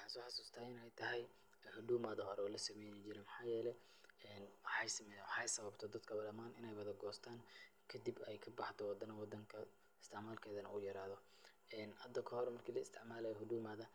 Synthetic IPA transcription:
ħɑsɔːħɑsuːst̪ʰɐɪnɛjt̪ʰɐɦɛj | hʊd̪uːmaːðɐɦɔɾɛɔːlɐsɐmɛjnɛt͡ʃɪɾɛmɪħɑːjɛːlɛ | ɛːnwħɑjsɐmɛjwɑħɑjsɐβɐbt̪ʰɔd̪ɐd̪kʰɐbɐlɐmaːnɪnɛjwɐðɐɡɔːst̪ʰaːnkʰɐd̪ibɛjkʰɐbɑħt̪ʰɔwɑd̪ɐnɐwɑd̪ɐŋkʰɐ | ɪst̪ʰɪʕmaːlkʰɛːðɐnɐ̰uːjɐɾaːðɔ | ɛːnhɐd̪ɐkʰɐhɔɾɛmɐrkʰiːlɐɪst̪ʰɪʕmaːlɛhʊd̪uːmaːðɐ

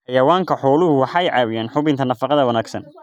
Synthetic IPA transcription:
ħɑjɐwaːŋkʰɐħɔːlʊhʊwɑħɑjʕɑːwɪjaːnħʊβɪnt̪ʰɐnɐfɑqɑðɐwɐnaːɡsɐ̰n

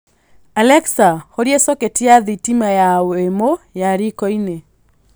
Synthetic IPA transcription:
alɛksahoɾjesɔketijaðitimajawemojaɾikɔine

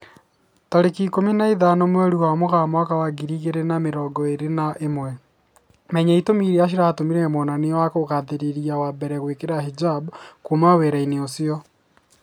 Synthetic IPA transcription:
tɔɾekikominaiðanomwɛoɾiwamoɣamwakawaɡiɾiːɣeɾenameɾɔːɡɔeɾenaʔemwɛ | mɛɲaitomiɾeaʃ̬iɾaːtomiɾɛmonanewakoɣaðeɾeɾiawabɛɾɛɣwekeɾaɦid͡ʒabkumaweɾaineosiɔ

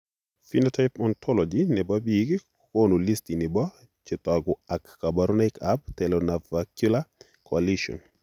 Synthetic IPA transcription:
finɔtaɪpɔntʰɔlɔd͡ʒinɛbabiɡ | konolistinɪbɔ | t͡ʃɪtaɡʊakːabaɾunaɪkab̚tɛlɔnavakjula | kʰɔaliʃɔ̰n

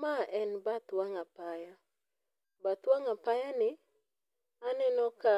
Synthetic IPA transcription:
maʔɛnbat̪waŋapaja | bat̪waŋapajanɪ | anɛnɔka

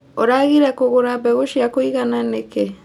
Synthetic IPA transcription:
oɾaɣiɾakoɣoɾabeɣoʃiakoiɣananeke

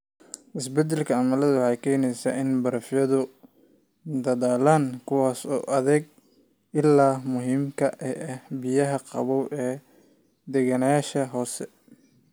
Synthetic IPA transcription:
ʔɪsbɛd̪ɛlkʰɐɐmɐlɐðʊwɑħɑjkʰɛːnɛjsaːɪnbɐɾɐfjɐðʊ | d̪ɐðaːlaːnkʰʊwaːsɔːʔɐðɛɡ̚ | ɪlːaːmʊɦiːmkʰɐʔɛhbɪjɐɦɐqɑ̰βɔwʔɛː | d̪ɛɣɐnɐjaːʃɐɦɔːsɛ

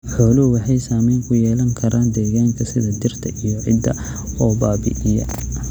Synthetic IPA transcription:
ħɔːlʊɦʊwɑħɑjsaːmɛːŋkʰʊjɛːlɐŋkʰɐɾʔaːnd̪ɛːɣaːŋkʰɐsɪðɐd̪ɪrt̪ʰɐʔijɔʕɪ̰d̪ːɐ | ɔːbaːbɪ̰ʔɪjɐ̰

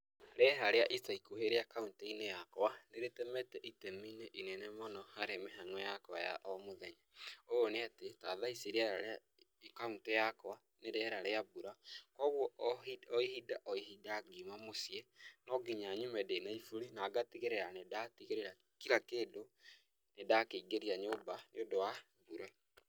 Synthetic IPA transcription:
ɾeɦaɾeaʔisaikoheɾeakaunteinejakɔwaneɾetɛmɛtɛʔitɛmineʔinɛnɛmɔnɔhaɾemeɦanwɛjakwa̰ja̰ʔɔmoðɛɲaoːneatetaðaiseɾiaɾaɾa | kauntɛjakɔa | neɾɛɾaɾeabuɾakɔɣwɔiɔihidaʔɔiɦidaːɡimamosiɛnɔɡiɲaɲumɛdenaifuɾinaːɡatiɣeɾeɾanedatiɣeɾeɾa | kiɾakeːdo | nedakeiɡeɾiaɲobaneodowa | buɾɛ

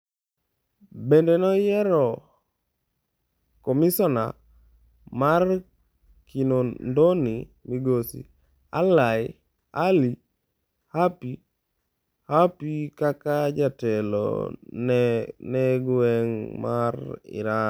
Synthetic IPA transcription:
bendenɔjɛɾɔ | komisɔna̰ | mar | kʰinondonimiɡosḭ | a̰laj | ali | hapi | hapikakad͡ʒatɛlɔ̰nneɡwɛŋmaɾɪ̰ɾa

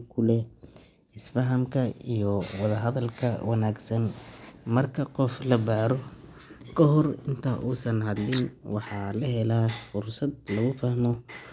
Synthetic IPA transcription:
kʰʊlɛ | ɪsfɐɦɐmkʰɐijɔwɑðɐɦɐðɐlkʰɐwɑnaːɡsɐnmɐrkʰɐqɔflɐbaːɾɔ | kʰɐɦɔrɪnt̪ʰɐʔuːsɐnhɐd̪lɪnwɑħɑːlɐɦɛlafʊrsɐd̪̚lɐɣʊfahmɔ

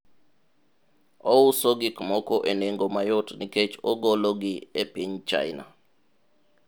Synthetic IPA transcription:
ɔusoɡɪkmɔkɔʔeneŋɡomajotniket͡ʃɔɡɔloɡɪepiɲt͡ʃa̰ɪna̰

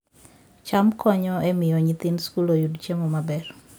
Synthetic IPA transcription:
t͡ʃamkʰɔɲɔʔemɪjɔɲɪt̪ɪnskulojudt͡ʃemɔmabɛr

